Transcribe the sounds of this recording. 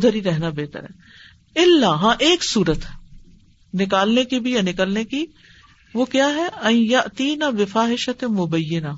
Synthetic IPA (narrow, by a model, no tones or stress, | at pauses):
d̪ʱəɾiɾɛɦnabeːt̪ə̰ɾɦɛ̰ː | ɪlːaɦãːʔeːksuːɾət̪ | nɪkaːlnekibʱijanɪkəlneki | ʋokjaːɦɛɐĩjaʔt̪iːnabɪfaːɦɪʃɐt̪mʊbɐjːɪna